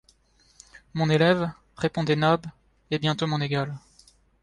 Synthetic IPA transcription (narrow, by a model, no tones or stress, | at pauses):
mɔ̃nelɛv | ʁepɔ̃d̪ɛnab | ebjɛ̃t̪omɔ̃neɡal